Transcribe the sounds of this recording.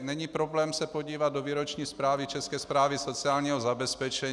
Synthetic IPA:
nɛɲiːpɾoblɛːmsɛpoɟiːvad̪̚doviːɾot͡ʃɲiːspɾaːvit͡ʃɛskɛːspɾaːviso̞t͡sɪaːlɲiːɦozabɛspɛt͡ʃɛɲ

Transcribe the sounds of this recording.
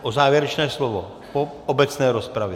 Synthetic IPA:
ʔozaːvjɛɾɛt͡ʃnɛːslovo | po | obɛt͡snɛːɾospɾavjɛ

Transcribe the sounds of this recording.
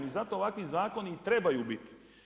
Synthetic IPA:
mizat̪o̞ːʋakʋizaːko̞nit̪ɾe̞bajuːbit̪i̥

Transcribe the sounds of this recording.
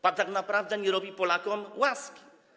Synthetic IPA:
pat̪aknapɾavd̪ɛɲɛɾɔbʲipɔlakɔmwaskʲi̥

